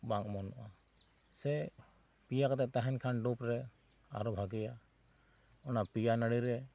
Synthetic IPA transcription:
baŋmɔnɔʔasɛ | pijakat̪ɛt̪aɦɛnkʰanɖɔpɾɛ | a̰ɾɔbʱaɡɛja | ɔnapijanaɽiɾɛ

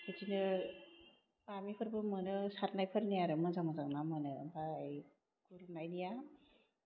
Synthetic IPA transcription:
kʰɯtinɯ | amipʰɯɾbɯmɯnɯsaɾ̚najpʰɯɾnijaɾɯmɯnzaŋmɯzaŋnamɯnɯbaːj | kuɾunajnija

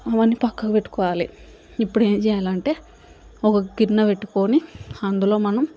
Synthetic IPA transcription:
ɐʋɐnːipɐkːɐkɐpe̞ʈːu̥kɔːʋaːlḭ | ipːuɽe̞ːmt͡ʃɛːjaːlɐɳʈe̞ː | ɔkɐɡiɾnɐpeʈːu̥ko̞ːniɐnd̪ulo̞ːmɐnɐm

